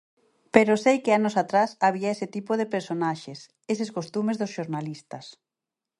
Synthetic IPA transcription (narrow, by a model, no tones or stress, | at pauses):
peɾosejkɪanʊsat̪ɾasaβiaesɪt̪ipoð̞epeɾsonaʃes | eseskost̪umezðosʃoɾnalist̪ɐs